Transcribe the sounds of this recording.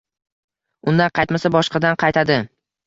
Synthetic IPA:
ʊnd̪anqʰɑjt̪masabɒʃqɑd̪anqʰɑjt̪ʰad̪ɪ

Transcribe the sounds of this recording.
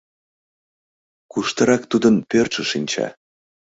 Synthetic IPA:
kuʃt̪əɾɑkt̪ud̪ənpørʃə̆ʃinʲt͡ɕɑ̰

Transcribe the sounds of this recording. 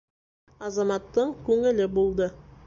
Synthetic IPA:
ɑzɑmɑt̪ːəɴkʲʰɵŋɪ̆lɪbolˠd̪ə

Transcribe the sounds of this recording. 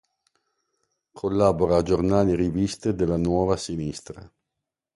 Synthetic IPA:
kʰolːaːboɾaːd͡ʒornaːliɾivist̪ed̪elːanwɔːvasinist̪ɾa̰

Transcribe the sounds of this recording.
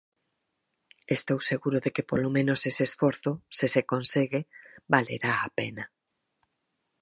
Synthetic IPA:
est̪owseɣuɾoðekepolomẽnosesesfoɾθʊsɪsekõnseɣebalḛɾaapena

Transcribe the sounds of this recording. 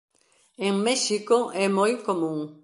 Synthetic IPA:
eŋmɛʃikoʔɛmojkomũŋ

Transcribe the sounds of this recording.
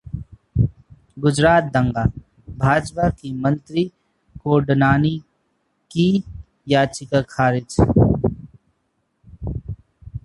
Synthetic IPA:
ɡʊd͡ʒɾaːt̪̚d̪ɐ̃ŋɡaː | bʱaːd͡ʒpakimə̃nt̪ɾi | koːɖnaːni | ki | jaːt͡ʃɪkakʰaːɾɪd͡ʒ

